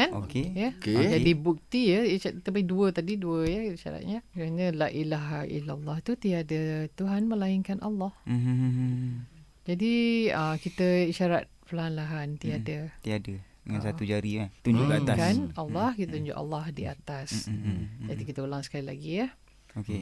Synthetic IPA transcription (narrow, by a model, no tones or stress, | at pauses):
anokejəd͡ʒadibuk̚t̪ijəakit̪əbaiduət̪adiduəjəiʃa̰ɾa̰t̪̚ɲəkaɲə̃laʔilaɦḭlalːɑht̪ut̪iadət̪uɦanmə̃laɪŋkanʔa̰lːɑh | d͡ʒadiəkit̪əiʃaɾa̰t̪̚pəlaɦanlaɦant̪iadət̪iadədəŋãnsat̪ud͡ʒaɾiat̪uɲd͡ʒukat̪akanalːɑhkit̪at̪uɲd͡ʒʊ̰ka̰lːɑhdia̰t̪as | d͡ʒadikit̪əulaŋsə̥kalila̰ɡijəh | oke